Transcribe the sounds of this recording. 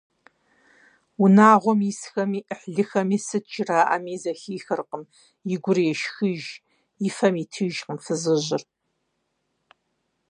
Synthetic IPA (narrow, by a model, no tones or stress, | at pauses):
ʊnaːʁʷɔmisxɐmiːʔəħɮɨxɐmiːsɨtt͡ʃʰʼɪraːʔɐ̰miːzɐxiːxɐrqəm | ɪɡʷʊrjɛʃxɨʒ | ifɐmiːtʰɨʒqəmfɨzɨʑɪr